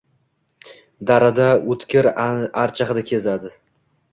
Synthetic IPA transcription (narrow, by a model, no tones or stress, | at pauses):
d̪aɾad̪aot̪kʲɪɾaɾt͡ʃʰaχɨd̪akʲʰe̞zad̪ɪ